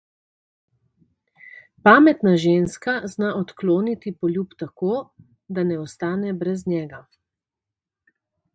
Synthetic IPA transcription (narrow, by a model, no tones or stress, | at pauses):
paːmɛt̪naʒeːnskaznaʔɔt̪kloːnit̪ipɔlʲjuːpt̪akoː | d̪anɛɔst̪aːnɛbɾɛznʲjɛːɡa